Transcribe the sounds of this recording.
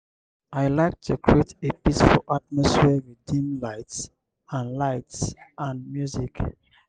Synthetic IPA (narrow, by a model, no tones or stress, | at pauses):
aɪlaɪk̚tʰukʰɹietepisfulʔat̚mɔsfiəɹidĩnlaɪts | ãnlaɪtsãnmjuzik